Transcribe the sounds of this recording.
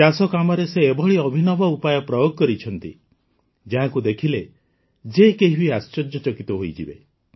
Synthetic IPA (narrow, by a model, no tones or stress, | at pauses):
d͡ʒasɔkamɔɾeseːbʱɔɭiɔbʱinɔbɔupajɔpɾɔjoɡɔkɔɾit͡ʃʰɔnt̪ḭ | d͡ʒaɦãkud̪ekʰile | d͡ʒekeɦibiast͡ʃɔd͡ʒjɔt͡ʃɔkit̪ɔɦoijd͡ʒḭbḛ